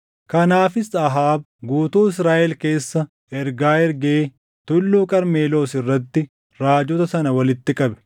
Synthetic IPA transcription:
kɐnaːfɪsɐɦaːb̚ | ɡuːt̪uːɪs̬ɾaːʔɛlke̞ːsːɐ | ɛɾɡaːɛɾɡeː | t̪ʊlːuːkʼɐɾme̞ːlo̞ːsɪrːɐt̪ːɪ | ɾaːd͡ʒɔt̪ɐsɐnɐwɐlɪt̪ːɪkʼɐbɛ̥

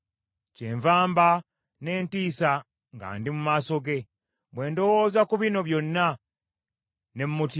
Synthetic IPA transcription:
ceːɱvaːmba | ne̞ːntiːsa | ŋɡa̰ːndimumaːso̞ɡe̞ | βwe̞ːndo̞wo̞ːzakuβino̞βjo̞nːa | ne̞mmuti

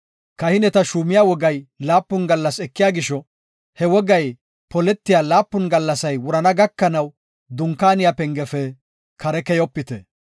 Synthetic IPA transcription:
kɐhɪnɛt̪ɐʃuːmɪjaːwɔɡɐjlaːpːʊnɡɐlːɐsɛkːɪjaːɡɪʃɔ | hɛwɔɡɐj | pɔlɛt̪ːɪjaːlaːpːʊnɡɐlːɐsɐjwʊɾɐnɐɡɐkːɐnɐw | d̪ʊŋkːaːnɪjapɛŋɡɛfɛ | kʰɐɾɛkɛjɔpːɪt̪ɛ

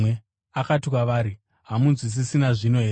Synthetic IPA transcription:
e | akatikwaʋaːɾi | ɦamunzis̬isinaʐino̞ɦe

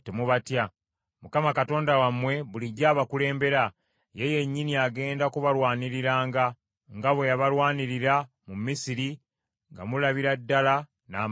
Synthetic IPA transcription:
temuβatja | mukamakato̞ːndawamːwe̞βuliɟaːβakule̞ːmbe̞ɾa | jeje̞ɲːiniaɡe̞ːndakuβalwaːniɾiɾaːŋɡa | ŋɡaβwe̞jaβalwaːniɾiɾa | mumːisiɾi | ŋɡa̰mulaβiɾadːala | na̰ː

